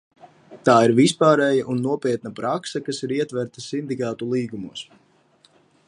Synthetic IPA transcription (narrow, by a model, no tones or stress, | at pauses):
t̪aːiɾvispaːɾɛjaʔunːuɔpiɛt̪̚napɾaksɐkasiɾiɛt̪vɛɾt̪asind̪ikaːt̪ulˠiːɡumuːs